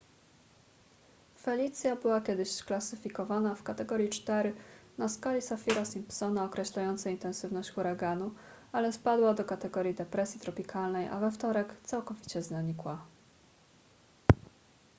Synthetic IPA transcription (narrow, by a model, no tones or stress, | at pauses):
fɛlʲit̪sʲjabɘwakʲɛd̪ɘɕsklasɘfʲikɔvanafkat̪ɛɡɔɾʲjit͡ʂt̪ɛɾɘnaskalʲisafʲiɾasimpsɔnaɔkɾɛɕlajɔnt̪saint̪ɛnsɘvnɔɕt͡ɕxuɾaɡanu | alɛspad̪wad̪ɔkat̪ɛɡɔɾjid̪ɛpɾɛsʲjit̪ɾɔpʲikʰalnɛjʔa̰vɛft̪ɔɾɛkt̪sawkɔvʲit͡ɕɛznaɲikwa